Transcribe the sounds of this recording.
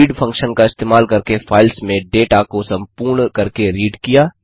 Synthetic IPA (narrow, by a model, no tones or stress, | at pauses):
iːɖpʰɐ̃ŋkʃənkaɪst̪eːmaːlkɐɾkefʰaːɪlsmẽɖeːʈakosɐ̃mpuːɾɳkɐɾkeɾiːɖkijaː